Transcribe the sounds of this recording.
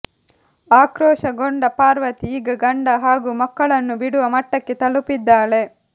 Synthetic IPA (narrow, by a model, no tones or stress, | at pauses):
aːkɾɔːʃɐɡoɳɖɐpaːɾʋɐt̪iːɡɐɡɐɳɖɐɦaːɡuːmɐkːɐɭɐnːubiɽuʋɐmɐʈːɐkːet̪ɐlupid̪ːaːɭe̞